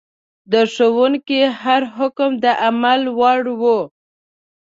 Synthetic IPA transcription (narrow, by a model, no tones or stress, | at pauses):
d̪əʂowuŋkihaɾɦʊkmd̪əʔamalwaɽwu